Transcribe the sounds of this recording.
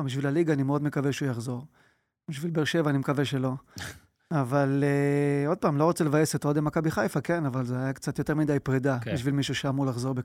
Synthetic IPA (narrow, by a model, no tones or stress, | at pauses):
mbiʃvilaliɡaːnimeo̞d̪me̞kaveʃeujaχzo̞ʁ | biʃvilbeʁʃe̞vaːnimekaveʃe̞lo̞ | avaleo̞d̪̚paːmlo̞ʁot͡selevaje̞set̪od̪emakabiχajfake̞navalzeajakt͡sat̪jo̞t̪e̞ʁmid̪ajpʁed̪abiʃvilmiʃuʃeamuʁlaχzo̞ʁbe